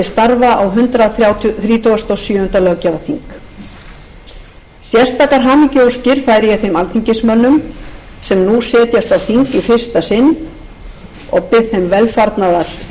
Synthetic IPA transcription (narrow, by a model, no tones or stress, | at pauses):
ɪst̪aɾvaʔawɦʏnt̪ɾaθjawt̪θɾiːt̪ʰʏɣast̪ʰowsjʏːhʏnt̪alœɣcavaθiŋk | sjɛ̥st̪aːkaɾɦaːmɪcowscɪɾ̥faːjɾɪjɛθejmalt̪ʰiɲcɪsmœnːʏm | sɛmnusɛːt̪jast̪awθiŋkifɪr̥st̪asɪnː | ɔɣpɪθejmvɛlfaɾt̪naðaɾ